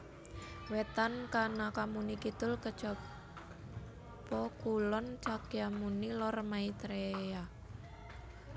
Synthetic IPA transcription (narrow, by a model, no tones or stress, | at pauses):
wet̪ankanakamunikit̪ʊlkə̥t͡ʃɔ | pɔkulɔnt͡ʃakjamunilɔrmait̪ɾeja